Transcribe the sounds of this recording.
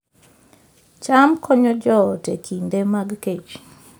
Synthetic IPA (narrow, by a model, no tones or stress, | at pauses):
t͡ʃamkʰɔɲɔd͡ʒɔtekʰindemaɡked͡ʒ